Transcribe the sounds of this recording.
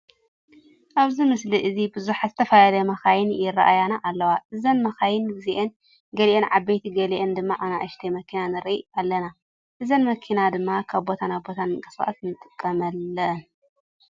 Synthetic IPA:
ʔaβzimɨsliʔɨzibɨzuħazɨt̪ʰɐfɐlalɐmɐxajɪnjɪrɐ̰ʔajanaʔalːɐwaʔɨzɐnmɐxajɪnɡɨziʔen | ɡɐliʔenʕabːejt̪ʰiɡɐliʔend̪ɨmːaʔanaʔɐʃt̪ʰemɐkʰinanɨɾḭalːɐna | ʔɨzɐnmɐkʰinad̪ɨmːakʰaβbːo̞t̪ʰanabo̞t̪ʰankʼɐ̥sa̰ʔa̰t̪nɨt̪ʼɨkʼːɐmɐlːɐn

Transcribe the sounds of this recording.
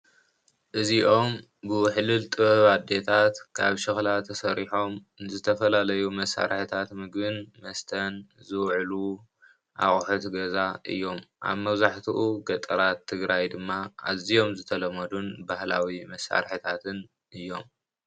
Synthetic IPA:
ʔɨziʔo̞m | bɨħɨlɨlt̪ʼɨβɐβad̪e̞t̪ʰat̪kʰaβʃɨxlat̪ʰːɐsɐɾiħo̞m | zɨt̪ʰɐfɐlalɐjumɐsːa̰ɾħɨt̪ʰat̪mɨɡbɨnmɐst̪ʰɐnzɨwʕlu | ʔa̰χʼħot̪ɡɐzaʔɨ̰jːo̞mʔa̰βmɐβzaħt̪ʰuʔuɡɐt̪ʼɐɾat̪ʰːɨɡɾajd̪ɨmːaa̰zijo̞mzɨt̪ʰɐlɐmɐd̪unbahla̰wimɐsːa̰ɾħɨt̪ʰat̪ʰɨn | ʔɨjːo̞m

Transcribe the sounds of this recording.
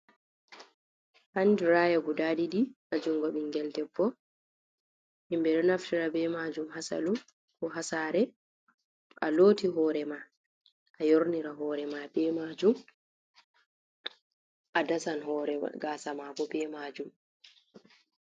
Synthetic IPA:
handuɾaːjaɡudaːdiɗiʔad͡ʒuŋɡɔɓiŋɡɛldɛbːɔ | imbɛɗɔnaftiɾabɛmad͡ʒumhasa̰lu | kɔɦasaɾɛ | ʔaloːtiɦɔːɾɛma | ʔajoɾniɾaɦɔːɾɛmabɛmad͡ʒum | ʔadasanɦɔɾɛ̰ɡaːsamabɔbɛmaːd͡ʒum

